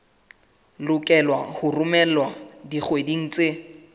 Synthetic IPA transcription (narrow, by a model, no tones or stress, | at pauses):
lʊkʼɛlwahʊrʊmɛlwadik͡xwediŋ̩t͡sʼe